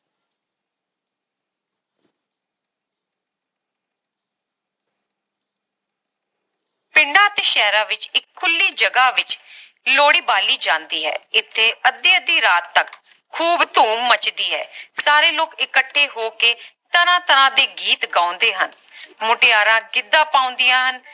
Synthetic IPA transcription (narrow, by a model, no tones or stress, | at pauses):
pɪɳɖãːt̪eːʃɛːɾãːʋɪt͡ʃɪkʰːʊlːiːd͡ʒəɡaːʋɪt͡ʃ | loːɽiːbaːliːd͡ʒãːnd̪iːɦɛ̰ːɪt̪ʰːeːəd̪ːiəd̪iːɾaːt̪ːək | kʰːuːbt̪uːmːət͡ʃd̪iːɦɛ̰ːsaːɾeːloːkɪkəʈʰːeːɦoːkeːt̪əɾãːt̪əɾãːd̪eːɡiːt̪ɡãːʊ̃nd̪eːɦən | mʊʈɪjaːɾãːɡɪd̪ːãːpaːʊ̃nd̪ɪjãːɦən